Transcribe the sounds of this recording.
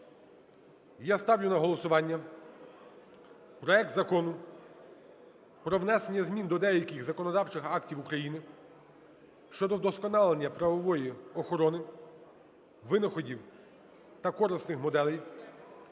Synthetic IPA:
jast̪ɑwjʊnɐɦɔlˠɔsʊʋɑnʲːɐ | pɾɔɛk̚t̪zɐkɔnʊ | pɾɔwnɛsenʲːɐzmʲind̪ɔd̪ɛjɐkɪɣzɐkɔnɔd̪ɑwt͡ʃɪxɑktʲiwukɾɐjinɪ | ʃt͡ʃɔd̪ɔd̪ɔskɔnɑlˠenʲːɐpɾɐʋɔʋɔjiɔxɔɾɔnɪ | ʋɪnɔxɔdʲiw | t̪ɐkɔɾɪsnɪxmɔd̪ɛlˠɛj

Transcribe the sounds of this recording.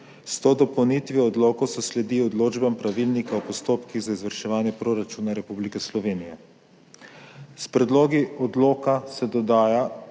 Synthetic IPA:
st̪od̪ɔpɔwnit̪ʋiɔd̪loːkosɔslɛd̪iɔd̪loːd͡ʒbampɾaʋilnikaɔpɔst̪oːpkiɣzaizʋəɾʃɛʋaːnjɛpɾoɾat͡ʃuːnaɾɛpublikɛslɔʋeːnijɛ | spɾɛd̪loːɡiɔd̪loːkasɛd̪ɔd̪aːja

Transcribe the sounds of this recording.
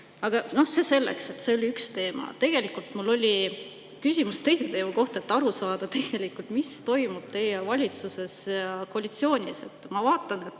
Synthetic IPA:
ɑɡ̥ɑno̞hse̞se̞lːḛkse̞t̪ːse̞o̞lʲiykst̪e̞ːmɑ̰t̪e̞ɡ̥e̞likˑult̪mulːo̞lʲi | kysʲimust̪e̞jse̞t̪e̞ːmuko̞ht̪e̞t̪ːˑɑɾusɑːd̪̥ɑt̪e̞ɡ̥e̞likːˑult̪mist̪o̞jmub̥t̪e̞jevɑlʲit̪suse̞sjɑkoɑlʲit̪sio̞ːnʲise̞t̪ːˑmɑvɑːt̪ːˑɑne̞t̪ːˑ

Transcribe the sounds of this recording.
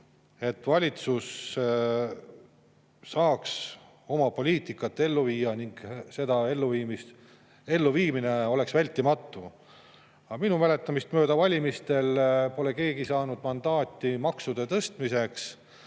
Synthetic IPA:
e̞t̪ːˑvɑlʲit̪sus | ɑːks | o̞mɑpo̞lʲiːt̪ˑikːˑɑt̪ːe̞lːuviːjːɑniŋɡ̥se̞d̪̥ɑe̞lːuviːmist̪ | e̞lːuviːmine̞o̞le̞ksvælʲt̪ːˑimɑt̪ːu | ɑminumæle̞t̪ːˑɑmist̪mø̞ːd̪̥ɑvɑlʲimist̪e̞lpo̞le̞ke̞ːɡisɑːnud̪̥mɑnd̪̥ɑːt̪ːˑimɑksud̪̥e̞t̪ɤst̪mise̞ks

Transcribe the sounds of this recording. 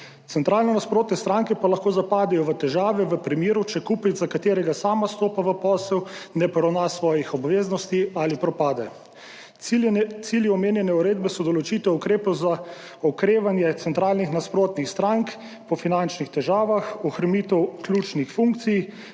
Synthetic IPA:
t̪sɛnt̪ɾaːlnɛnaspɾoːt̪nɛst̪ɾaŋkɛpalaxkoːzapaːd̪ɛjɔʋət̪ɛʒaːʋɛʋəpɾimeːɾut͡ʃɛkuːpizakat̪eːɾɛɡasaːmast̪oːpaʋəpɔːsɛwnɛpɔɾɐwnasʋɔːjixɔbʋeːznɔst̪ialipɾɔpaːd̪ɛ | t̪siljiɔmeːnjɛnɛuɾeːd̪̚bɛsɔd̪ɔlɔt͡ʃit̪ɛukɾeːpɛwza | ɔkɾeːʋanjɛt̪ɛnt̪ɾaːlnixnaspɾoːt̪nixst̪ɾaŋk | pɔfinant͡ʃnixt̪ɛʒaːʋaxɔxɾamit̪ɛwklʲut͡ʃnixfuŋk̚t̪sij

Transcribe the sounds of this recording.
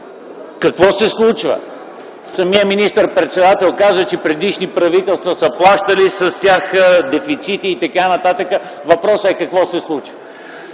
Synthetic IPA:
kɐkvɔsɛslˠut͡ʃvə̰ | sɐmiəminist̪əɾpɾɛt̪sɛd̪at̪ɛlˠkazət͡ʃɛpɾɛd̪iʃnipɾɐvit̪ɛlˠst̪vəsəplˠaʃt̪əlisəst̪ʲjaxəd̪ɛfit̪sit̪iːt̪ɐkanɐt̪at̪əkə | vɐpɾɔsəɛkɐkvɔsɛslˠut͡ʃvə

